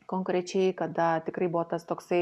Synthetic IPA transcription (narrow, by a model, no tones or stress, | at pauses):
koŋkɾʲɛt͡ʃʲɛɪkɐd̪ɐt̪ʲɪkɾɐɪbʊʋoːt̪ɐst̪oːksɐɪ